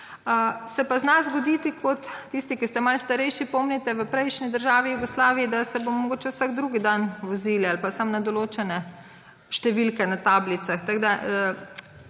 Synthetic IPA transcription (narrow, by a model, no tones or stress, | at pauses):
əsɛpaznazɡɔd̪iːt̪ikʰɔt̪ːist̪ikist̪ɛmalst̪ɐɾɛjʃipɔmnit̪ɛʋəpɾɛjʃnid̪əɾʒaːʋijuɡɔslaːʋiid̪asɛbomɔɡoːt͡ʃɛwsaɡd̪ɾuɡid̪anʋɔziljɛalpasamnad̪ɔloːt͡ʃɛnɛ | ʃt̪ɛʋilkɛnat̪aːblit̪saxt̪aɡd̪aə